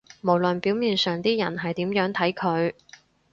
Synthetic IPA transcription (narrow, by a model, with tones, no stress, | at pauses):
mo˨˩wlɵ˨npi˨˥wmiː˨˧nsœː˨ŋt̪iː˥jɐ˨˩nɦɐ˨jt̪iː˨˥mjœː˨˥ŋt̪ʰɐ˨˥jkʰɵ˨˧ɥ